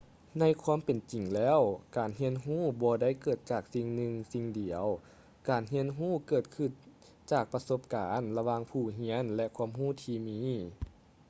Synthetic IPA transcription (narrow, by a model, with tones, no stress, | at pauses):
na˧˥jkʰwuː˧˥˨mpe˨˩nt͡ɕi˨˩ŋlɛː˧˥˨wkaː˨˩nɦi˧˥ənɦuː˥˩bɔː˧da˥˩jkɤː˨˩t̪̚t͡ɕaː˨˩k̚si˧ŋnɯ˧ŋsi˧ŋdi˨˩əw | kaː˨˩nɦi˧˥ənɦuː˥˩kɤː˨˩t̪̚kʰɯ˧˩n | t͡ɕaː˨˩k̚pa˧so˧˥p̚kaː˨˦nla˧waː˧ŋpʰuː˧˩ɦi˧˥ənlɛ˧kʰu˧əmɦuː˥˩˨t̪ʰiː˧miː˧˥